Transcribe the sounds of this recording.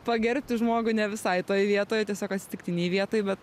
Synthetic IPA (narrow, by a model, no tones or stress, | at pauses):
pɐɡʲɛɾʲpʲt̪ʲɪʒmoːɡʊɪnʲɛʋʲɪsɐɪt̪oːjʋʲiɛt̪oːjot̪ʲiɛsʲoːkɐtʲsʲɪ̥t̪ʲɪkt̪ʲɪnʲɛjʋʲiɛt̪oːjbʲɛt̪